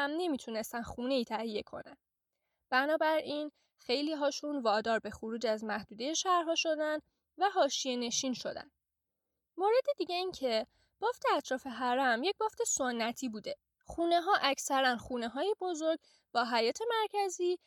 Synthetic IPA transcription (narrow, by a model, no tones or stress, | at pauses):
æmne̞mit̪ʰune̞st̪ænxuːne̞iːt̪ʰæhije̞kʰo̞̰næn | b̥ænɒːbæɾin | xe̞jliːɦɒːʃunvɒːd̪ɒːɾbe̞xuɾuːd͡ʒæzmæhd̪uːd̪e̞je̞ʃæɾɦɒːʃo̞d̪æn | væɦɒːʃije̞ne̞ʃiːnʃo̞̰d̪æ̰n | moɾed̪ed̪iːɟeiːncʰe̞ | b̥ɒːft̪ʰe̞æt̪ʰɾɒːfe̞ɦæɾæmje̞c̚bɒːft̪ʰe̞sonːæt̪ʰiːbuːd̪e̞ | xuːne̞ɦɒːʔæcʰsæɾænxuːneɦɒːjebo̞zoɾɡ | b̥ɒːɦæjɒːt̪ʰe̞mæɾcʰæziː